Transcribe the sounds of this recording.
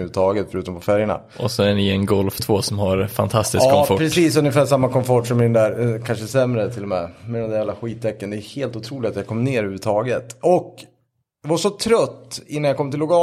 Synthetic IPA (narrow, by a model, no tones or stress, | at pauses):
ʉːʉt̪ʰɑːɡət̪fœɾʉ̟ːt̪ɔmpʰɔfæɾjəɳa̰ | ʔɔsɔæɳɪɛnɡɔlft̪ʰv̥oːsɔmhaɾfa̰nt̪ʰast̪ɪskkːɔpʰɾɛsiːsɵnjəfæːʂamːakɔmfɔʈʂɔmɪɛnd̪æɾkʰanʂəsɛmɾət̪ʰɪlɔmɛmɛd̪ɛnd̪æɾjɛːlaɧiːt̪ʰːɛkːənd̪ɛjɵheːlt̪ʊt̪ʰɾuːlɪt̪at̪jakʰɔmːneːɾʉhʉːʉt̪ʰɑːɡət̪ɔk | javaʂɔt̪ʰɾœt̪ːɪnːanjakʰɔmt̪ɪlːʊkɑː